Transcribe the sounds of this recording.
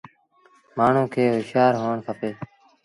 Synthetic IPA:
maːɳ̤ũːkʰeːʋɪʃaːɾɦoːɳsʰəpeː

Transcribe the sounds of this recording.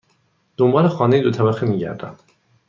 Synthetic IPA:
d̪̥ombɒːlexɒːnejid̪ot̪ʰæbæximiːɟæ̰ɾd̪æ̰m

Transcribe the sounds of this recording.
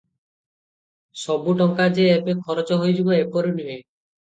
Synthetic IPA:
sɔbuʈɔŋkad͡ʒeepekʰɔɾɔt͡ʃɔɦojd͡ʒibɔepɔɾinuɦe

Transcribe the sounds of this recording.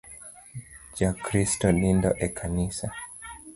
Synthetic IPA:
d͡ʒakɾistɔlindɔ̰ʔɛkʰanisa

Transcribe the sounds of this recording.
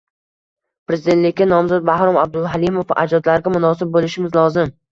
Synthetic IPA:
pɾezɪd̪e̞nt̪lɪkʲːanɒmzɒt̪̚bahɾɒmab̚d̪ʊlɦalimofa̰d͡ʒɒd̪laɾɡʲamʊnɒsɪb̚bolɪʃɪmɪzlˠɒzɪm

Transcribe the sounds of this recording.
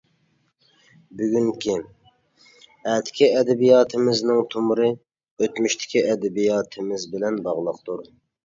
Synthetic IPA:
byɡʲyŋkʲʰi | ɛt̪ʰɪ̥kʲʰiɛd̪ɛbijɑːt̪ʰɨmɪznɪŋt̪ʰumɾɨ | øt̪myʃt̪ʰɪ̥kʲʰiʔɛd̪ɛbijɑːt̪ʰɪmɪzbɪlɛnbɑʁlˠəqt̪ʰuɾ

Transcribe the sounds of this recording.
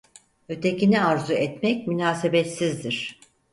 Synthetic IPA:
ø̞t̪ʰeciniaɾzuɛt̪mɛcmynaːsebet̪sizd̪iɾ̥

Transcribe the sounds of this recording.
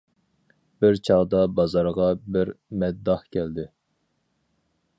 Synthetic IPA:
bɪɾt͡ʃʰɑʁd̪ɑbɑzɑɾʁɑbɪɾmɛd̪ːɑhkʲʰɛld̪ɪ

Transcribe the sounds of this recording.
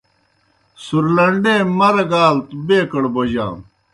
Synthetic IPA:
suɾlɐɳɖẽːmɐɾɐɡaːlt̪beːkɐɽbod͡ʑã̰ːm

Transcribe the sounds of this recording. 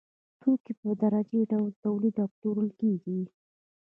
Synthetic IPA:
t̪ʰokipəd̪aɾad͡ʒeɖawlt̪awlid̪ɑk̚t̪oɾəlkeɡi

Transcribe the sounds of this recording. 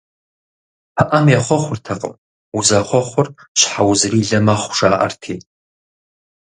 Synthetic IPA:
pʰaʔamjaχʷɔχʷʊrtʰaqʼə̰m | uzaχʷɔχʷʊrʃħawzriːɮɐmaχʷʂaːʔa̰rtʰeːtʼ

